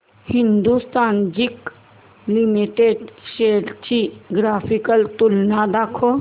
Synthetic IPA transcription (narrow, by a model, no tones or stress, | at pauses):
hĩnd̪ust̪aːnd͡ʒik | limiʈeɖʃeɾt͡ʃiɡɾaːpʰikəlt̪ulnad̪akʰo